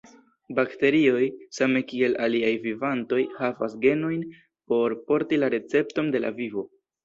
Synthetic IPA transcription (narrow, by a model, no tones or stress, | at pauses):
bakte̞ɾio̞jsame̞kie̞lʔaliajvivanto̞jhavasɡe̞no̞jn | po̞ɾpo̞ɾtilaɾe̞t͡se̞pto̞nde̞la̰vivo̞